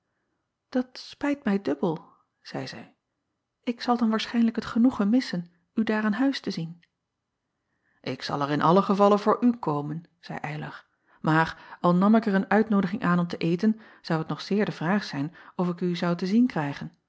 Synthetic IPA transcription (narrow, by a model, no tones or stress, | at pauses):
d̥ɑtspɛjtmɛjdɵbəlˠ | z̥ɛ̰jzɛ̰j | ɪksɑlˠdɑnʋaːɹsχɛjnləkɦətχənuχəmɪsən | ydaːɹaːnɦœɥstəzin | ʔɪksɑ̰lˠɛrɪnʔɑləχəvɑlənvʊːɹʔykʰowmən | z̥ɛ̰jʔɛjlɑ̰χ | maːɹɑlˠnɑmɪkərənœɥtnowdəχɪŋʔaːnɔmtəʔejtən | z̥ɑwətnɔχsɪːɹdəvraːχsɛjnɔfɪkyzɑwtəzinkrɛjχən